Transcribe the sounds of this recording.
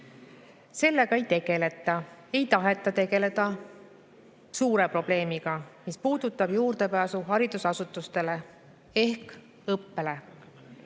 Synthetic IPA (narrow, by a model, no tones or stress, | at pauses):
se̞lːe̞ɡ̥ɑe̞jt̪e̞ɡ̥e̞le̞t̪ˑːɑe̞jt̪ɑɦe̞t̪ːˑɑt̪e̞ɡe̞le̞d̪̥ɑ | suːɾe̞pro̞b̥le̞ːmiɡ̥ɑmispuːd̪̥ut̪ːˑɑb̥juːɾd̪̥e̞pæːsuɦɑɾid̪̥usɑsut̪ːˑust̪e̞le̞ | e̞hk | ɤpːe̞le̞